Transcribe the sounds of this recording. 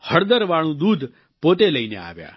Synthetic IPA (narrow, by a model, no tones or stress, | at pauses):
həɾd̪əɾʋaɭũd̪ud̪ʱ | pot̪eləinḛa̰ːʋja̰